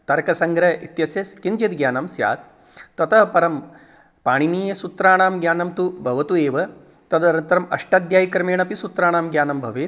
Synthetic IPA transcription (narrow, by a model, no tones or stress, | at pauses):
t̪ɐɾkɐsɐŋɡɾɐḭt̪jɐsjɐskint͡ʃed̪ɡjaːnɐmsja̰ːt̪̚ | t̪ɐt̪ʰɐpɐɾɐm | paːɳiniːjɐsut̪ɾaːɳaːmɡjaːnɐmt̪ubʱɐʋɐt̪ueːʋɐ | t̪ɐd̪ɐɾɐnt̪ɐɾɐmɐ̰ʂʈaːd̪jaːjikɾɐmeːɳɐpisut̪ɾaːɳaːmɡjaːnɐmbʱɐʋeː